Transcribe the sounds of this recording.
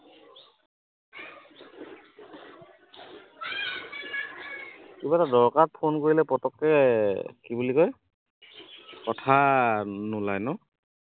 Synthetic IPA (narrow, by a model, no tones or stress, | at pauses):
kibatadɔɹkatpʰonkoɹilɛpɹɔtɔkːɛkibulikɔj | kɔtʰa | nʊlajnɔ